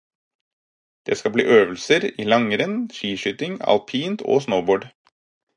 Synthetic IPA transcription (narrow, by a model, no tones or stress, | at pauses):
d̪̥ḛːskɑblḭːʔøːʋəlsəɾiːlɑŋəɾənʃiːʃʏt̪ɪŋɑ̰lpʰiːnt̪ʰo̰ːsnəʊboːɖ